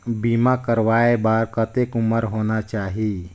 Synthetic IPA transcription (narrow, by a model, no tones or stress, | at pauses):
biːmakəɾʋaːebaːɾkət̪ekʊməɾɦoːnat͡ʃaːɦi